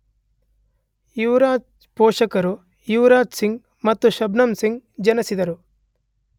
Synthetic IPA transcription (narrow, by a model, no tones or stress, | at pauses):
juːɾaːt͡ʃ | poːʂɐkɐɾu | juːɾaːt̪siŋɡ | mɐt̪ːuʃɐbnɐmsiŋɡd͡ʒɐnɐsid̪ɐɾu